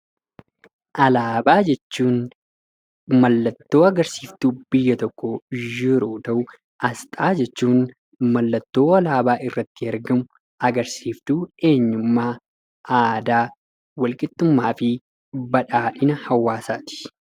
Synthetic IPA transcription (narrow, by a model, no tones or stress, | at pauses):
ʔɐlaːbaːd͡ʒɛt͡ʃːuːn | mɐlːɐt̪ːo̞ːɐɡɐɾsiːft̪ub̥ɪjːɐt̪ɔkːɔd͡ʒɪɾuːt̪ɐʔʊ | ʔɐst̪ʼaːd͡ʒɛt͡ʃːuːn | mɐlːɐt̪ːo̞ːɐlaːbaːʔɪrːɐt̪ːɪɐɾɡɐmʊ | ɐɡɐɾsiːft̪ue̞ːɲːʊmːaː | aːd̪aː | wɐlkʼɪt̪ːʊmːaːfɪ | bɐᶑaːᶑɪnɐhɐwːaːsaːt̪ɪ̥